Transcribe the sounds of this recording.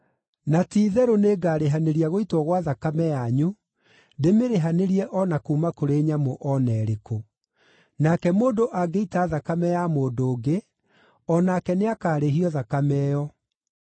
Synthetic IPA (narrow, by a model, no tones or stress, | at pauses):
natiːðɛɾoneːɡaːɾeɦaneɾiaɣoitwɔɣwaðakamɛjaɲu | demeɾeɦaneɾiɛʔɔnakuːmakoɾeːɲamoʔɔnɛɾeko | nakɛmoːdoʔaɡeitaːðakamɛjamoːdoːɡe | ɔnakɛneakaːɾeɦiɔðakamɛjɔ